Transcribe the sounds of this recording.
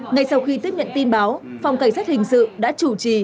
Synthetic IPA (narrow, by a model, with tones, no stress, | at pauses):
ŋa˧jsa˧wxi˧t̪i˦˥əɲə̰˧˨nt̪i˧nɓaː˨˦wfa˨˩wŋ͡mka˧˩ŋ̟saː˦˥t̚hï˨˩ŋ̟sɨ̰˧˨ɗa̰ː˧˥t͡ɕu˧˩t͡ɕi˧˩